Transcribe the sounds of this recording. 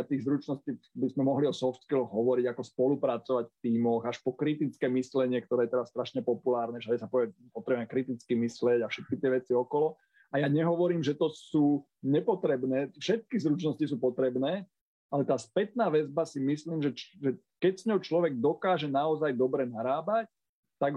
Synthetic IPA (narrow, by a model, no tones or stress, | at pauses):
at̪iːɣzɾut͡ʃnɔsciːbizmɛmɔɦliɔsɔft̪kilɔɣɦɔʋɔɾiɟakɔspɔlupɾat͡sɔʋacft̪iːmɔɣaʃpɔkɾit̪it͡skɛːmislɛɲɪɛkt̪ɔɾɛːjɛt̪ɛɾasst̪ɾaʃɲɛpɔpulaːɾnɛʃaɟɛsapɔɛpɔt̪ɾɛbuɛmɛkɾit̪it͡skimislɪɛɟafʃɛt̪̚kit̪ɪɛʋɛt͡siɔkɔlɔ | ajaɲɛɦɔʋɔɾiːmʒɛt̪ɔsuː | ɲɛpɔt̪ɾɛbnɛːfʃɛt̪̚kizɾut͡ʃnɔscis̬uːpɔt̪ɾɛbnɛː | alɛt̪aːspɛt̪naːʋɛzbasimisliːmʒɛʒɛ | kɛcsɲɔʊt͡ʃlɔʋɛɡ̚d̪ɔkaːʒɛnaɔzajd̪ɔbɾɛnaɾaːbac̚ | t̪aɡ